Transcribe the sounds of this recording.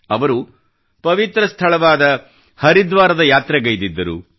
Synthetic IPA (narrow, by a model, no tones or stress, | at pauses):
ɐʋɐɾu | pɐʋit̪ɾɐst̪ʰɐɭɐʋaːd̪ɐ | hɐɾid̪ʋaːɾɐd̪ɐjaːt̪ɾɛɡɐjd̪id̪ːɐɾṵ